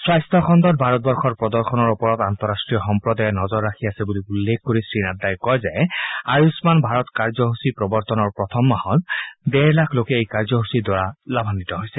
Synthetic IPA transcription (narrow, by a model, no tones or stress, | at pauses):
swajstʰɔxʰɔndɔt̚bʱaɹɔt̚bɔɹxʰɔɹpɹɔdɔɹxʰɔnɔɹupɔɹɔtant̪ɔɹastɹijɔxɔmpɹɔdajɛnɔzɔɹːakʰiasɛbuliulːekkoɹisɹinadːajkɔjzɛaɹusmanbʱaɹɔtkaɹzɔɦusipɹɔbɔɹt̪ɔnɔɹpɹɔt̪ʰɔmːahɔtdɛɹlakʰlokɛejkaɹzɔɦusidwɔaɹalabʱanitɔɦojsɛ